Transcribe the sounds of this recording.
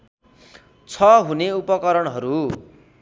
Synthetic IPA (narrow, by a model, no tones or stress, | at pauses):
t͡sʰʌɦuneupʌkʌɾʌɳɦʌɾu